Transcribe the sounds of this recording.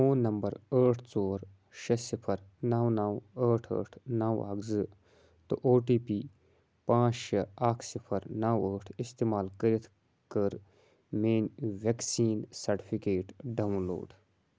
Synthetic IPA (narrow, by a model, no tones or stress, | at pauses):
oːnːɐmbɐɾəːʈʰt͡soːɾ | ʃɐsipʰɐɾnaːwnawəːʈʰə̰ːʈʰnaːwa̰ːkzɨ | t̪ɨʔoːʈiːpiː | pãːt͡ʃʃɐaːkʰsipʰɐɾnaːwəːʈʰist̪eːmaːlkəɾit̪ʰ | kəɾ | meːnʋeksiːnsɐɾʈipʰikeːʈɖawnlo̰ːɖ